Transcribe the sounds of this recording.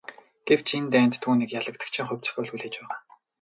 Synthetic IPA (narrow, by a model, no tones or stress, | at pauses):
ɡ̥ew̥t͡ɕʰent̪æːnt̪ʰːuːniːkjaɮə̆k̚t̪ə̆kt͡ɕʰɪ̆ŋχʊwʲt͡sɪ̥̆xʲɵɮɣɘ̆ɮxet͡ɕpæːʁaː